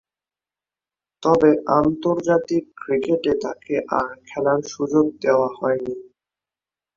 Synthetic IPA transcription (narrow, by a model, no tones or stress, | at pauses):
t̪ɔbeʔant̪oɾd͡ʑat̪ikːɾikeʈet̪akeʔa̰ɾkʰɛlanʃud͡ʑoɡ̚d̪eoahɔeni